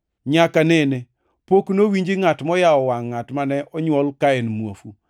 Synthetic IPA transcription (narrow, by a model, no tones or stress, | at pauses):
ɲakanɛne | poknowiɲd͡ʒiŋatmɔjaɔwaŋːatmanɛʔɔɲwɔlkaɛnmuofu